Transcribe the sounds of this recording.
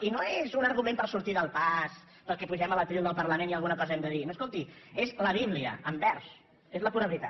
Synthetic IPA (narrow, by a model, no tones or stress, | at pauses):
inoezunəɾɣumẽmpəlˠsuɾt̪iðəlˠpas | pəlˠkɛpuʒɛmələt̪ɾilˠd̪əlˠpərləmeniəlˠɣunəkɔzɛmd̪əðinoskolˠt̪iezləβ̞iβliə̰əmbɛɾs | ezləpuɾəβlit̪a